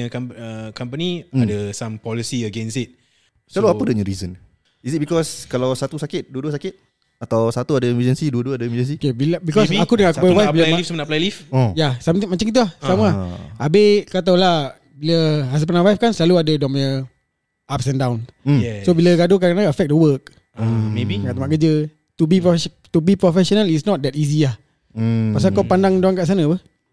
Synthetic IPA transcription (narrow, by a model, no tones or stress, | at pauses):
əkaəkampəniadəsãmpɔlisiəɡɛnsit̪̚ | səlaluaədəɲə̃ɾizən | isit̚bikɔskalawsat̪usakɪt̪̚duəduəsakɪt̪̚ | at̪awsat̪uadəiməd͡ʒənsiduəduəadaiməd͡ʒəns̬ikebilbikɔsakudəŋanakupawajfbilalifsəmənaplajlifojasamt̪mat͡ʃaŋkit̪̬ulahsamaaʔabekat̪awla | biləɦasəpanãwajfkansəlaluadədɔ̃maə | ap̚sɛ̃ndawnsobiləɡadokaənaəfɛk̚dəwək̚ | meikat̪amaʔkəd͡ʒə | t̪ubipɾɔf | t̪ubipɾɔfɛsɔnalitsnɔt̪̚dɛtizilah | pas̬akawpandaŋdoaŋkaʔs̬anəwə